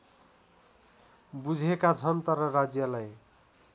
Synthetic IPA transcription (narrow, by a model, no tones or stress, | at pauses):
bud͡zʱekad͡zʱʌnt̪ʌɾʌɾad͡zjʌlaj